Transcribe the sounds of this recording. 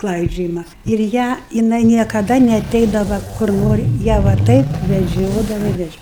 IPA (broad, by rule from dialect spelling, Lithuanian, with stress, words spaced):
ˈklˠɐɪd͡ʒʲoːjɪmɐ ɪr ˈjæː jɪˈnɐɪ nʲiɛkɐˈdɐ nʲɛɐˈtʲɛɪdɐʋɐ kʊr ˈnoːrʲɪ ˈjæː ʋɐ ˈtɐɪp ʋʲɛˈd͡ʒʲoːdɐʋɐ ɪ ʋʲɛˈd͡ʒʲoː